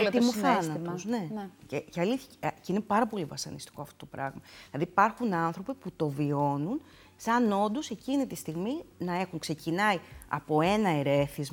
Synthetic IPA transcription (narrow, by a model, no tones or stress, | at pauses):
t̪immuθenɐt̪osne̞ceceɐliθçɐcinepɐɾɐpo̞livɐsɐnist̪i̥ko̞ɐft̪o̞t̪o̞pɾɐ̰ɣmɐilɐðiːpɐɾxunɐnθɾo̞piput̪o̞vio̞nun | sɐno̞nd̪o̞se̞cinit̪ist̪iɣminɐe̞xuŋkse̞cinɐiɐ̰po̞e̞nɐeɾe̞θizmɐ